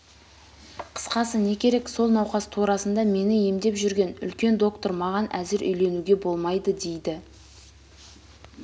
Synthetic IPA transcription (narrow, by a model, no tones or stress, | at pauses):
qʰə̥sqɑsəne̞kʲʰe̞ɾe̞kso̞lˠnɑwqɑst̪ʰuɾɑsənd̪ɑme̞nɪjemd̪e̞pʒʏɾɡʲe̞nʏ̰lkʲe̞nd̪o̞kt̪o̞ɾmɑʁɑnʔæzɪɾʔʏ̰jle̞nuɡʲe̞bo̞lˠmɑjd̪əd̪e̞jd̪ɪ